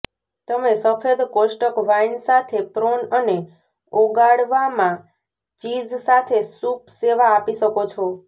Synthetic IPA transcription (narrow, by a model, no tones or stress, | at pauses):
t̪əmesəfʰed̪koʃʈəkʋainsat̪ʰepɾonəne | oɡaɽʋamã | t͡ʃid͡ʒsat̪ʰesupseʋaːpiʃəkot͡ʃʰɔ